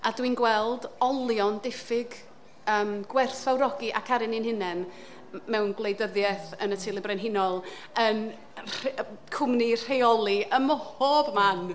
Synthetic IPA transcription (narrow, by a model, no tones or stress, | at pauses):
adwinɡwɛlˠdɔlˠjɔndɪfɪɡ | əːmɡ̥wɛrθawɾɔɡiʔakʰaɾɪnɪnhɪnɛn | mɛwnɡwlˠejdəðjɛθənətʰɪlˠɪbrɛnɦɪnɔlˠ | ən | rkʰʊmnir̥ejɔlˠiəmɔhoːbman